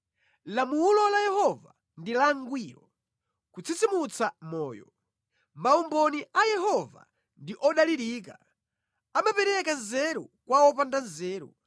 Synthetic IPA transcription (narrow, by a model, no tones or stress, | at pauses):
lamulɔlajɛhɔva | ndilaŋɡwiːɾɔ | kut͡sʰit͡simut͡samɔ̰ːjɔ̰ | maumbɔniʔajɛɦɔva̰ | ndiʔɔɗaliɾiːka | amapɛɾɛkazɛɾɔkwaɔp̬andazɛːɾɔ̰